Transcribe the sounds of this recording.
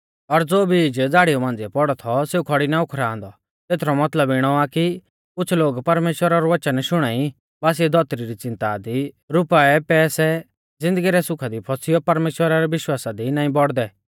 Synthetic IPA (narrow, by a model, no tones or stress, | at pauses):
ɔɾd͡zoːbid͡ʒd͡zaːɽijɔmãːn̆d͡ziɛpɔɽɔt̪ʰɔseːukʰɔɽinaʊkʰɾãːnd̪ɔ | t̪eːt̪ʰɾɔmɐt̪ləbɪɽ̃ɔaki | kʊt͡sʰloːɡpɐɾmeːʃwəɾaɾuʋɐt͡ʃənʃʊɽ̃aːi | baːs̬iɛd̪ʱɔːt̪ɾiɾit͡sɪ̃nt̪ad̪i | ɾʊpaɛpɛːsɛ | d͡zɪ̃nd̪əɡiɾɛsʊkʰad̪ipʰɔsijɔpɐɾmeːʃwəɾaɾɛʋɪʃwaːsad̪inaːĩbɔɽd̪ɛ